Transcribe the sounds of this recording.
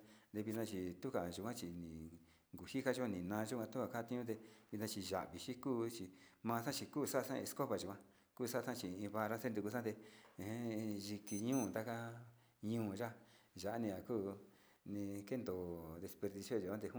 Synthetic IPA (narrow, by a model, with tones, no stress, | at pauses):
d̪e˧βi˧nã˧t͡ʃi˨t̪u˦ka˨ʒu˨kʷã˦t͡ʃi˨nĩ˨ | ŋɡu˨ʃi˦ka˦ʒu˦kʷã˧nĩ˨nã˧ʒu˦kʷã˧t̪u˦kʷa˧˨ka˦˧t̪ĩ˧ɲũ˦t̪̬e˧βi˧t̪nã˧t͡ʃi˧ʒa̰˨ʔβi˨ʃi˦kuː˦t͡ʃi˧mãː˧sã˦t͡ʃi˧kuː˦˨sa˦˧sã˦˧ẽ˧sko˦βa˨ʒu˨kʷã˦ | kuː˦˧sa˦˧ã˦t͡ʃi˨ĩ˧βa˧ɾa˦se˦nd̪u˧ku˧sã˦t̪ẽ˧˦ | ʒi˧ki˧ɲũː˦˨t̪a˦ka˦ | ɲũː˧˦˨ʒa˦ | ʒa˨ʔa˦nĩ˧a˨kuː˦˨ | nĩ˧ke˦nd̪o˨ðe˧spe˧ɾði˧sjo˦˧ʒu˨˧kʷã˦t̪e˧hu˦